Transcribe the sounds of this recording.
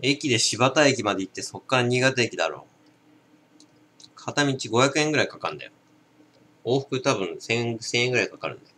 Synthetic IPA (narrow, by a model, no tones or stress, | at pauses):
e̞kʲid̪e̞ɕibat̪aekʲimad̪eit̪ːe̞so̞kːaɾaɲ̟iɡat̪aekʲid̪a̰ɾo̞̰ː | kʰat̪amʲit͡ɕiɡo̞çjakɯ̟eŋɡɯɾaikakãnd̪a̰jo | oːɸɯ̥kɯ̟t̪abɯ̟̃ɰ̃sẽ̞sẽ̞ɰ̃ẽŋɡɯɾaikakaɾɯ̟̃nd̪a